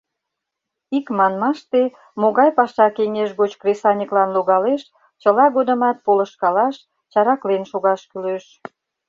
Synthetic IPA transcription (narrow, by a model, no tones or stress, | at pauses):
ikmɑnmɑʃt̪e | moɣɑjpɑʃɑkeŋeʃɣot͡ɕkresɑnʲəklɑnloɣɑleʃ | t͡ɕəlɑɣod̪ə̆mɑt̪̚polə̆ʃkɑlɑʃ | t͡ɕɑɾɑklenʃoɣɑʃkyløʃ